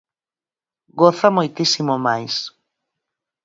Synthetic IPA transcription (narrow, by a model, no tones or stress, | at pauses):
ɡoθamojt̪isimomajs